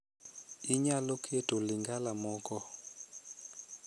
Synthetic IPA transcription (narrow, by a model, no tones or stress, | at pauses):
iɲalokʰetoliŋɡalamɔkɔ